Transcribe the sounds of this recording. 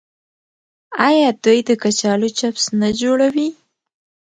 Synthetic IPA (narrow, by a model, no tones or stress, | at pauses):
ɑjɑd̪ujd̪əkat͡ʃɑlot͡ʃapsnad͡ʒoɽawi